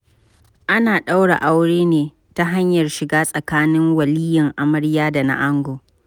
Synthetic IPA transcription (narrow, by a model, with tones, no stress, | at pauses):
ʔa˦naː˨ɗa˦wɽa̰˨ʔa˦wɽeː˦neː˨ | ta˦ɦa˦ɲjɐ˨rʃɪ˨ɡaː˦sʼɐ˨kaː˦nɪ˦ŋwɐ˨liː˦jɐ˨ŋʔa˨mɐ˦ɽjaː˦da˨na̰˦ʔa˦ŋɡoː˨